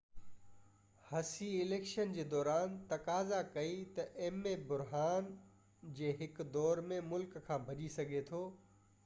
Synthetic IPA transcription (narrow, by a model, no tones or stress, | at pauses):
hɐsiɪleːkʃənd͡ʑeːd̪ɔːɾaːnt̪ɐkaːzakɐit̪ɐʔeːmẽbʊɾɦaːn | d͡ʑeːɦɪkd̪ɔːɾmẽmʊlkkʰãːbʱɐʄisɐɡʱet̪ʰoː